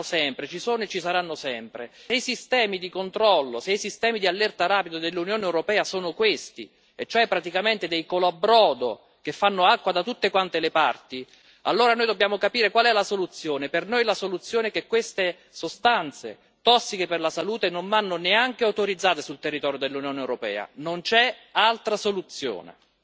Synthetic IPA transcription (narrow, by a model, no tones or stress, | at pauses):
sɛmpɾet͡ʃisoːnoet͡ʃːisaɾanːosɛmpɾḛejsist̪ɛːmid̪ikont̪ɾɔlːosejsist̪ɛːmid̪ialːɛrt̪aɾaːpid̪od̪elːunjoːneɛwɾopɛːasoːnokwest̪ḭ | et͡ʃːoɛpːɾat̪ikament̪ed̪ejkoloabɾɔːd̪o̰ | k̟efːanːoakːwad̪at̪ut̪ːekwant̪elepart̪i | a̰lːoːɾanoːjd̪obːjaːmokapiːɾekwalɛlasolut̪sːjoːnepernojlasolut̪sːjoːnɛk̟ekːwest̪e | sost̪ant̪sḛ | t̪ɔsːikeperlasaluːt̪enoɱvanːoneaŋk̟eawt̪oɾid̪zːaːt̪esult̪erːit̪ɔːɾjod̪elːunjoːnewɾopɛ̰ːa̰nont͡ʃɛalt̪ɾasolut̪sːjo̰ːnḛ